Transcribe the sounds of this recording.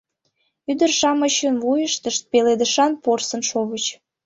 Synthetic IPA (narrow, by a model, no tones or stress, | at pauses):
yd̪ərʃɑməɕənvujəʃt̪əʃt̪̚peled̪əʃɑnporsə̆nʃoβət͡ɕ